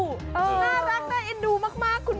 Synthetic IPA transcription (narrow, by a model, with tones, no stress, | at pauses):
ʔɤː˧˩naː˧˥˩ɾa˦˥k̚na˦˥ʔe˧˥nduː˧˩maː˥˩k̚maː˥˩kʰːu˧n